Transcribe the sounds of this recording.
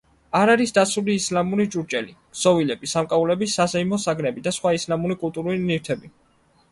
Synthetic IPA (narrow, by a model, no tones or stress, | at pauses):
aɾaɾisd̪at̪suliːslamuɾit͡ʃʼuɾt͡ʃʼɛli | sɔvilɛbisamkʼaulɛbisːazɛimɔsaɡnɛbid̪asχwaislamuɾikʼulˠt̪ʼuɾulinift̪ʰɛbi